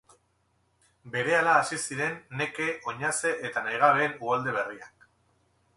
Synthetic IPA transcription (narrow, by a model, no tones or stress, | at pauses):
be̞ɾe̞alaːsisiɾe̞nːe̞ke̞ʔo̞ɲase̞ʔet̪anajɣ̞aβe̞ːnuɣald̪e̞βe̞riak̚